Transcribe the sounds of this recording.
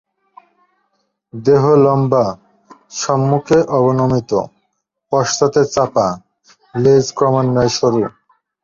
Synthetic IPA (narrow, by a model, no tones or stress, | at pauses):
d̪eɦolɔmba | ʃɔmːukʰeʔɔbonomit̪o̰ | pɔʃt̪at̪et͡ɕapa | led͡ʑkɾɔmanːɔeʃoɾu